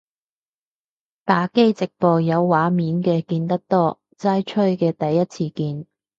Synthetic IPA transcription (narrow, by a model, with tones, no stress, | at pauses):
t̪aː˨˥ke˥jt͡sɪ˨k̚pɔː˨jɐ˨˧wːaː˨˧˥miː˨˧nkɛː˧kiː˧nt̪ɐ˥k̚t̪ɔː˥ | t͡saː˥jt͡ʃʰɵ˥ɥkɛː˧t̪ɐ˨jːɐ˥t̚t͡sʰiː˧kiː˧n